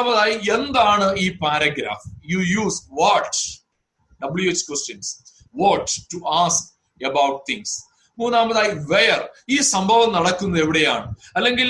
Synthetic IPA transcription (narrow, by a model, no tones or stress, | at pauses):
amɐðaːjie̞nd̪aːɳɨiːpaːɾɐɡɾa̰ːfjuːjuːsʋɔʈ | ɖɐbɭjueːt͡ɕːkwesʈjɐns | ʋɔʈʈuʔaːsk | ɐbawʈ̚t̪ʰḭŋs | muːnːaːmbɐðaːjiʋeːɐriːsɐmbʱɐʋɐmnɐɽɐkːunːɐðe̞ʋiɽe̞jaːɳɨɐlːe̞ŋɡil